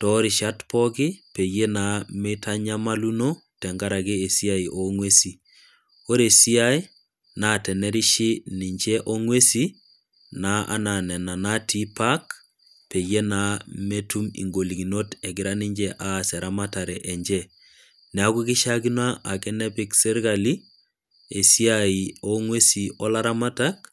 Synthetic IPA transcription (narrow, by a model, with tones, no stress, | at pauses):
tɔ˦ɾi˨ʃa˦tpɔ˦ɡɪ˦pe˨ɡje˦na˨mi˦tʰa˦ɲa˦ma˦lu˦no˦ | tɛ˨ŋɡa˦ɾa˨ɡɪ˦e˨si˦a˦i˨ʔo˨ŋwe˦si˨ | o˦ɾe˨si˦a˦i˦ | na˨tɛ˨nɛ˦ɾi˦ʃɪ˦ni˨ɲd͡ʒɛ˦ʔo˦ŋwe˦si˦ | na˦a̰˦na˨nɛ˨na˨na˦tʰi˦pa˦k | pe˨je˦na˦me˦tu˦mḭ˨ŋɡo˨li˨ɡi˨no˦tɛ˨ɡɪ˨ɾa˦ni˦ɲd͡ʒɛ˦ʔa˦˨sɛ˨ɾa˦ma˦ta˨ɾɛ˨ʔɛ˨ɲd͡ʒɛ˦ | nɛ˨a˦ku˦kɪ˦ʃa˦ki˦na˦ʔa˨kɛ˦nɛ˦pi˦ksɛ˦ɾɡa˨li˦ | e˨si˦a˨i˨o˦ŋwe˦si˨ɔ˦la˦ɾa˦ma˦ta˦k̚